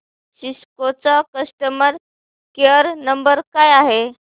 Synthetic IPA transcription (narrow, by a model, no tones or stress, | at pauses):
ɕiskot͡sakəsʈəməɾ | keəɾnəmbəɾkajaɦe